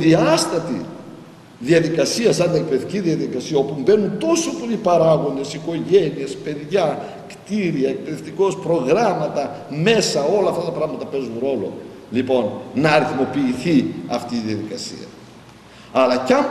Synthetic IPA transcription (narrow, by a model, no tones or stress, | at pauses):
ðiɐst̪ɐt̪i | ðiɐðikɐsiɐsɐnd̪iek̚peeθt̪iciðiɐðikɐsiɐo̞pumbe̞nunt̪o̞sopo̞lipɐɾɐɣo̞nd̪e̞siko̞ʝe̞niespe̞ðʝɐ | kt̪iɾiɐek̚pe̞ðe̞ft̪iko̞spɾo̞ɣɾɐmɐt̪ɐme̞sɐo̞lɐːft̪ɐt̪ɐpɾɐɣmɐt̪ɐpe̞zunɾo̞lo̞̰ | lipo̞nnɐːɾiθmo̞piːθiɐft̪iːðiɐðikɐsḭɐ̰ | ɐlɐcɐm